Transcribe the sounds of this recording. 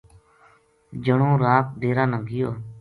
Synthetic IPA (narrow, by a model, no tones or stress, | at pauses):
d͡ʒəɳõːɾaːk̚ɖʱeːɾãːnəŋɡʱɪjoː